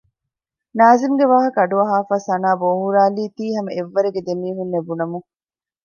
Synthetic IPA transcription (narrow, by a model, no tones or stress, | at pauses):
naːzimɡeʋaːɦɐkɐɖuɐɦaːfaːsɐnaːboːɦuɾaːliːt̪iːɦɐmɐʔeʋːɐɾeɡed̪emiːɦunːebunɐmu